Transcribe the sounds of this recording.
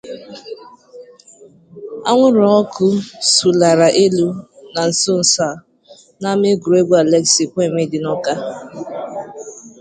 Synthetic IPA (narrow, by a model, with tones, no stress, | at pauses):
a̰˦ŋʷʊ˦ɾɔ˨ɔ˦kʊ˦su˨la˨ɾa˨ʔe˦lu˦na˨n̩˨so˦n̩˨sa˨ | na˦me˦ɡu˨ɾe˦ɡʷa˨le˦ksi˨kʷe˦˨me˦dɪ˨nɔ˦ka˦